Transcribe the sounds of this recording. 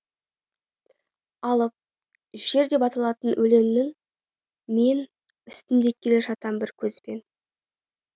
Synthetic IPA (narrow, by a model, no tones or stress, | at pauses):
ɑlˠəp̚ | ʒ̥e̞ɾd̪e̞pɑt̪ɑlˠɑt̪ənwʔɵle̞mnɪŋ | me̞n | ʏst̪ɪnd̪e̞kʲʰːe̞leʒɑt̪ɑmbɪɾkʲʰɵzpe̞n